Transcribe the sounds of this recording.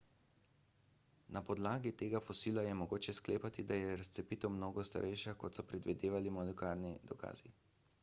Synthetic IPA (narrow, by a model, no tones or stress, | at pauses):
napɔd̪laːɡit̪eːɡafɔsiːlajɛmɔɡoːt͡ʃɛskleːpat̪id̪ajɛɾast̪sɛpit̪ɔwmnoːɡɔst̪a̰ɾʔɛjʃakɔt̪sɔpɾɛd̪ʋid̪eːʋalimɔlɛkaːɾnid̪̥ɔka̰ːzi